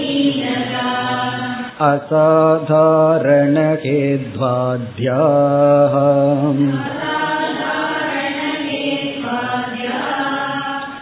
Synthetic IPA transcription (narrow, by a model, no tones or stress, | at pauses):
idɐkaː | ɐsaːd̪ʱaːɾɐɳɐkeːdd̪ʋaːd̪ʱjaːɦɐ | sad̪ʱaɾɐɳɐkeʋaːd̪ʱjaː